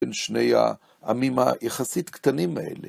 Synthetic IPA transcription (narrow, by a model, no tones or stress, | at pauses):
enʃnejha̰ | ʔamima̰jeχasit̪kt̪animaʔḛle